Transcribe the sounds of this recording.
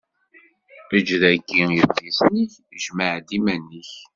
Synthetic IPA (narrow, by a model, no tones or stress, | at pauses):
əd͡ʒðækːijəbːisniç | ʒməʕd̪imænːiç